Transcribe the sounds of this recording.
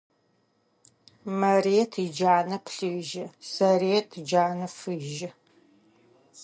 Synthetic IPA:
mɐreːtʰid͡ʒaːnɐpʰɬɨʒɪsɐreːtʰd͡ʒaːnɐfɨʒɪ

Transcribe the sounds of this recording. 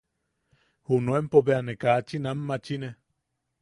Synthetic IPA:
hunuempoβeanekaːt͡ʃinamːat͡ʃine

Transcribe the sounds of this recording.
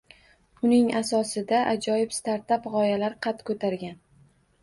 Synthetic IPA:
ʊnɪŋasɒsɪd̪aʔad͡ʒɒjɪpst̪aɾt̪apʁɒjalaɾqʰɑt̪kʰɵt̪ʰaɾɡʲan

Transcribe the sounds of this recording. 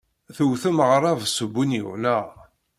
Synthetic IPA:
θəwθəmʁɾˤɑvsəbːunjiʁnæ

